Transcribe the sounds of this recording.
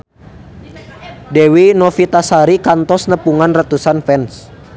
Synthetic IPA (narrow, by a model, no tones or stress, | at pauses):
dɛwinɔfit̪asaɾikant̪ɔsnəpuŋanrat̪usanfɛns